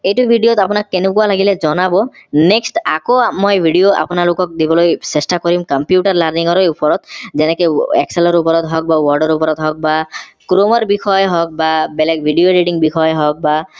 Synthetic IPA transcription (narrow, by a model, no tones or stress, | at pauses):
ejʈubʱiɖijot̪apɔnakkenukualaɡiled͡ʒɔnabɔneksʈa̰komɔjbʱiɖioa̰pɔnalokɔk̚d̪ibɔlojsesʈakɔɾimkampjuʈaɾlaɾniŋɔɾɔupɔɾɔt̪d͡ʒenekeḛkselɔɾupɔɾɔt̪ɦɔk̚bawɔɾɖɔɾupɔɾɔt̪ɦɔk̚bakɾomɔɾbikʰɔjɦɔk̚babelek̚bʱiɖioɾiʈiŋbikʰɔjɦɔk̚ba